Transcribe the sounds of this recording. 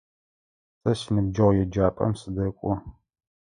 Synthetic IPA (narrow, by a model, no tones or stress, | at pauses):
sɐsinɨb̚d͡ʒɐʁʷjɛd͡ʒaːpʼɐ̰msɨdɐkʷʼɔ